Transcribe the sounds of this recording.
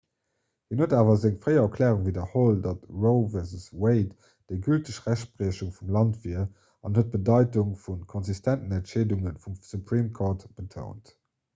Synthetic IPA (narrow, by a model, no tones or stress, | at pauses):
hinhuətdaːvɐzeŋfʁəɪɐkʰlɛːʁuŋvidɐholdɑtʁoʊvɛzsweɪt | d̥əɡyltəʃʁæʃbʁiəɕuŋfumlɑntviɐ | ɑnhət̚b̥ədɑɪtuŋfunkʰɔnzistʰæntənæntʃeːduŋənfumsupʁiːmkʰoːɐtb̥ətʰo̰ʊnt